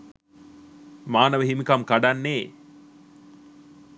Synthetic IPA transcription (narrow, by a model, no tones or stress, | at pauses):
maːnəʋəɦimikamkaɖanːeː